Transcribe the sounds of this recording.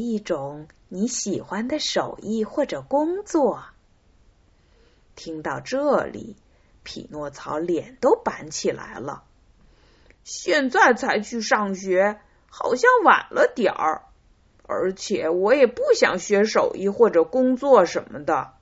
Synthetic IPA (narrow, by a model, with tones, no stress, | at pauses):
i˥˩ʈ͡ʂʊ˨˩˦ŋni˧˥ɕi˨˩xwa˥nd̪ə˨ʂo˨˩ʊi˥˧xwɔ˥˩ʈ͡ʂɤ˨˩kʊ˥ŋt͡swɔ˥˩ | t̪ʰi˥ŋt̪ɑ˥˧ʊʈ͡ʂɤ˥˩lḭ˨˩˦ | pʰḭ˨˩nwɔ˥˩t͡sʰɑ˧˥ʊljɛ˨˩nt̪o˥ʊpa̰˧˥nt͡ɕʰi˨˩la̰˧˥ɪlə̰˧ | ɕjɛ˥˧nt͡sa˥˩ɪt͡sʰa˧˥ɪt͡ɕʰy˥˧ʂɑ˥˩ŋɕɥɛ˧˥ | xɑ˨˩ʊɕjɑ˥˩ŋwa̰˨˩nlʔə˦t̪jɑ̰˨˩˥ | ə̰˞˧˥t͡ɕʰjɛ˨˩wɔ˧˥jɛ˨˩pu˥˩ɕjɑ̰˨˩ŋɕɥɛ˧˥ʂo˨˩ʊʔi˥˧xwɔ˥˩ʈ͡ʂɤ˨˩kʊ˥ŋt͡swɔ˥˩ʂə˧˥nmə˧d̪ə˨˩